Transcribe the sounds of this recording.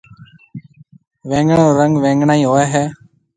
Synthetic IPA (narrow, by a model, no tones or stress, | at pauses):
ʋẽːŋɡɳoːɾəŋɡʋẽːŋɡɳaːĩːɦoːɛːɦɛː